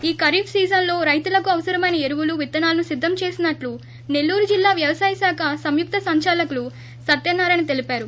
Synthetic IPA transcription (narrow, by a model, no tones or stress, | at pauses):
iːkɐɾiːpʰsiːd͡ʒɐnlo̞ːɾɐjt̪ulɐkuɐʋɐsɐɾɐmɐjnɐeɾuʋuluʋit̪ːɐnaːlɐnusid̪ʱːɐmt͡ʃe̞ːsinɐʈlu | ne̞lːuːɾud͡ʒilːaːʋjɐʋɐsaːjɐsaːkʰɐsɐmjuk̚t̪ɐsɐɲt͡ʃaːlɐkulu | sɐt̪ːjɐnːaːɾɐnit̪elipaːɾu